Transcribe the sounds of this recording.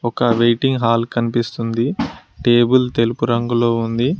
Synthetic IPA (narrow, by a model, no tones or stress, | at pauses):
ɔkɐʋejʈiŋɡɦaːlkɐnipist̪und̪iʈe̞ːbult̪e̞lupuɾɐŋɡulo̞ːund̪i